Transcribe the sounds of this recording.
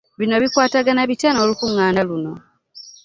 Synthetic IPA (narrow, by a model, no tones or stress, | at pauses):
βino̞βikwaːtaɡanaβitanolukuŋːaːnaluno̞